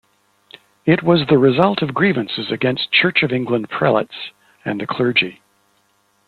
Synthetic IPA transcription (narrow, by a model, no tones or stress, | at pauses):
ɪt̚wʌzðɨɹɨzʌlˠtʰʌvɡɹivɨ̃nsɨzɨɡɛ̃nst͡ʃʰɜ˞t͡ʃʌvɪ̃ŋɡlə̃npʰɹ̥ɛ̰lˠə̰ts | ɨ̃nðɨkʰl̥ɜ˞d͡ʒi